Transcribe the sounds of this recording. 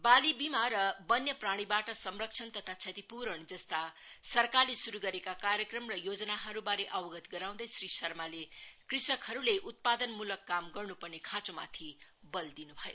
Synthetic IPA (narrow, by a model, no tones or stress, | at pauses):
balibimaɾʌbʌnjʌpraɽ̃ibaʈʌsʌmrʌk̚t͡sʰʌnt̪ʌt̪ʰat͡sʰʌt̪ipuɾʌɳd͡zʌst̪a | sʌrkalesuɾuɡʌɾekakaɾjʌkrʌmrʌjod͡zʌnaɦʌɾubaɾeʔʌwʌɡʌt̪ɡʌɾaw̃d̪ʌjsrisʌrmalekrisʌkhʌɾuleʔut̪̚pad̪ʌnmulʌkːamɡʌrnupʌrnekʰãt͡soma̰t̪ʰi | bʌld̪inubʱʌjo̰